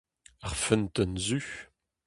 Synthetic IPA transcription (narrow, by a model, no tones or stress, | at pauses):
aʁfɛnt̪ənzyç